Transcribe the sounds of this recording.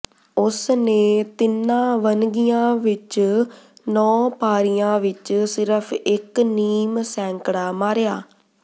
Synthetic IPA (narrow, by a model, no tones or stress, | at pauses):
ʊsneːt̪ɪnːãːʋənɡijãːʋɪt͡ʃ | nɔ̃ːpaːɾijãːʋɪt͡ʃsɪɾəpʰɪkniːmsɛ̃ːŋkɽaːmaːɾejaː